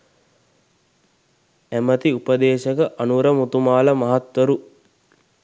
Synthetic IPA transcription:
æmət̪iupəd̪eːʃəkəʔanuɾəmut̪umaːləmɐɦat̪wɐɾu

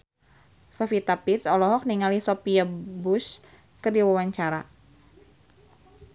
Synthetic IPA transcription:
fafit̪apit̪sɔlɔɦɔk̚niŋalisɔpiabus | kɨrdiwawaɲt͡ʃaɾa̰

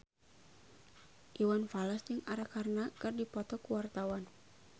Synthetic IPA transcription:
ʔiwanfalasd͡ʒɨŋaɾakarnakɨrdipɔt̪ɔkuwart̪awan

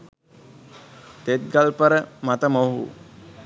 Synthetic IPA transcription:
t̪et̪̚ɡalpəɾəmat̪əmoɦṵ

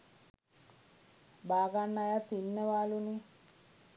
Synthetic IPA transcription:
baːɡanːajat̪ːinːəʋaːluni

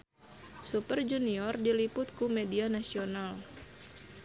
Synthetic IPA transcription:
supərd͡ʒuniɔrdilipʊt̪̚kumedianasional

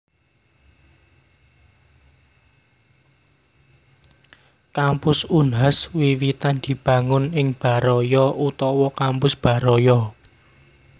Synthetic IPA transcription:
kampʊsunɦaswiwit̪and̪̥i̤b̥ä̤ŋʊnɪŋb̥a̤ɾɔjɔʔut̪ɔwɔkampʊsb̥ä̤ɾɔjɔ

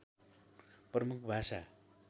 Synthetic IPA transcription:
prʌmukʰbʱasa

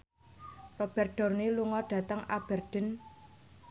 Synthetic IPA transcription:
rob̥ɛrɖ̥ɔ̤rneluŋɔɖ̥ä̤t̪əŋa̰b̥ɛ̤rɖ̥ə̤n

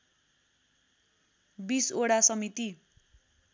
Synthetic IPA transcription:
bisoɽasʌmit̪i

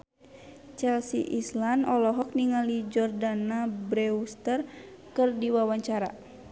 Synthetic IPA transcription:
t͡ʃɛlsḭʔislanɔlɔɦɔk̚niŋalid͡ʒɔrdanabɾɛust̪ər | kɨrdiwawaɲt͡ʃaɾa̰

